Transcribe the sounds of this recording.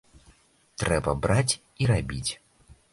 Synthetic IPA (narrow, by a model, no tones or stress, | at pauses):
t̪ɾɛbɐbɾat͡sʲ | iɾabʲit͡sʲ